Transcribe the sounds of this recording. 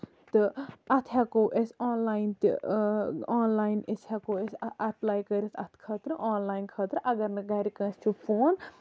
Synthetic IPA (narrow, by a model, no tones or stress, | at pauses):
t̪ɨɐt̪ʰɦɐkoːʔesaːnlaːjnt̪ḭ | aːnlaːjneshɐkoːesɐplaːjkɐɾʲit̪ʰɐt̪ʰkʰɐːt̪ɾɨʔaːnlaːjnkʰɐːt̪ɾɨʔɐɡɐɾnɨɡɐɾʲikɐ̃ːst͡ʃʰufʰoːn